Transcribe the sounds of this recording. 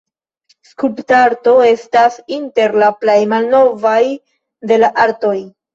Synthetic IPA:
skuptaɾto̞e̞stasinte̞ɾlaplejmalno̞vaj | de̞laʔaɾto̞j

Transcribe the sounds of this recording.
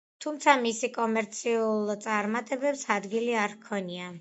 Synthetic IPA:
t̪ʰumt̪sʰamisikʼɔmɛɾt̪sʰiulˠt̪sʼaɾmat̪ʼɛbɛpsad̪ɡiliaɾkʰɔnia

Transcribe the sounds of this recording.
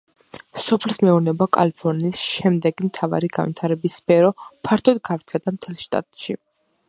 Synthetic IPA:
sɔpʰɛlsmɛuɾnɛbakʼa̰lpʰɔɾniːsʃɛmd̪ɛɡimt̪ʰava̰ɾiɡanvit̪ʰaɾɛbisːpʰɛɾɔpʰaɾt̪ʰɔd̪ɡavɾt̪sʰɛd̪amt̪ʰɛlˠʃt̪ʼa̰t̪ʼʃi

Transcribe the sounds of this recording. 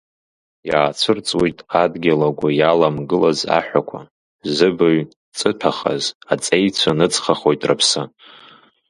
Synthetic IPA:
jaːt͡sʷʰɨrt͡sʼwijtʼadɡʲalaɡʷajalamɡɨlaza̰ħʷᶣakʷʰa̰ | zɨbɨɥ | t͡sʼɨpʰaχa̰zat͡sʼe̞jt͡ɕʷʰanɨt͡sʼχaχo̞jtʼra̰pʰsɨ

